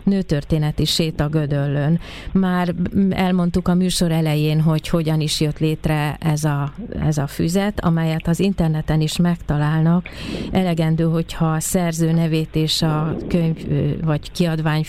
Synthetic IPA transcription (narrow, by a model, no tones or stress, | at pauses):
nøːt̪ørt̪eːnɛt̪iʃeːt̪ɒɡø̞d̪ølːøn | maːrɛlmo̞nt̪ukɒmyːʃo̞ɾɛlɛjeːnɦo̞cho̞ɟɒniʃjø̞t̪leːt̪rɛɛzɒɛ̰zɒfy̰zɛt̪ɒ̰mɛjɛt̪ɒzint̪ɛrnɛt̪ɛniʃmɛkt̪ɒlaːlnɒkɛlɛɡɛnd̪øːɦo̞chɒsɛrzøːnɛveːt̪eːʃɒkøɲvvɒɟkiɒd̪vaːɲ